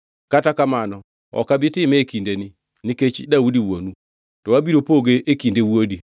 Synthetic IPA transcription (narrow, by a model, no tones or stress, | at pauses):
katakamanɔ | ɔ̰kabɪtɪmɛekindeni | niket͡ʃdaudiwonu | tɔwabiɾopoɡeʔekindewwodi